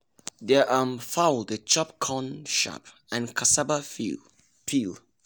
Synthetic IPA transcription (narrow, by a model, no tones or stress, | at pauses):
dɛʔãmfawldət͡ʃɔp̚kʰɔ̃nʃa̰p | ɛ̃nkʰasabəfi | pil